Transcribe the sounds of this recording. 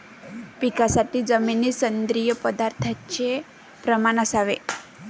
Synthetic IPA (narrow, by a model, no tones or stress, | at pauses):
pikasaʈ̪id͡zəminisənd̪ɾijəpəd̪aɾt̪ʰat͡ʃe | pɾəmanəsaʋe